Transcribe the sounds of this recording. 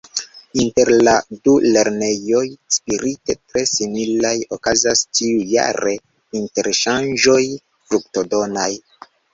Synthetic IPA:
inte̞ɾladule̞ɾne̞jo̞jspiɾite̞tɾe̞similajokazast͡ʃiuja̰ɾe̞ | inte̞ɾʃand͡ʒo̞j | fɾukto̞do̞naj

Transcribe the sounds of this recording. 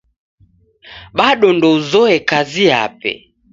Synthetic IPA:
ɓaɗɔndɔuzɔɛkazia̰pɛ̰

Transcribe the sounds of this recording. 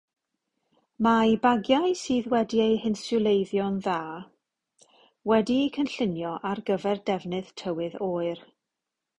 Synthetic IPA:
majbaɡjajsiːðwɛdiejhɪnsʊlˠejðjɔnðaː | wɛdiːkʰənɬɪnjɔʔarɡəvɛrdɛvnɨð̥tʰəwɨðoːɨr

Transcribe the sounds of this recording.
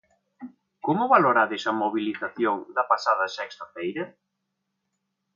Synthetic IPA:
komʊβaloɾaðɪsɐmoβiliθaθjoŋd̪ɐpasaðɐsɛkst̪ɐfɛjɾɐ

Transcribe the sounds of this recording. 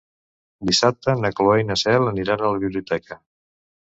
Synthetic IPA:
d̪isap̚t̪ənəkloejnəsɛləniɾanələβiβliut̪ɛkə

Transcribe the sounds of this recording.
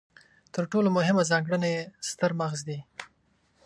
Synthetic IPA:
t̪əɾʈolomʊɦɪmazɑŋɡɽənajest̪əɾmaɣzd̪i

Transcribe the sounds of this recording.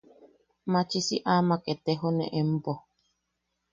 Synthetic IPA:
mãt͡ʃisiʔamaket̪eɦonḛ̃ʔem̩po

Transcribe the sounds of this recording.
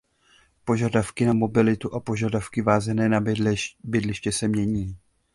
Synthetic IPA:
po̞ʒadafkɪnamo̞bɪlɪt̪uʔapo̞ʒadafkɪvaːzɛnɛːnabɪdlɪʃcɛsɛmɲɛɲiː

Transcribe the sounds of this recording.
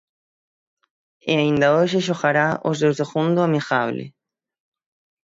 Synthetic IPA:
eaĩnd̪aoʒeʃ̬oxaɾao̰zðewseɣũnd̪oamixaβlḛ

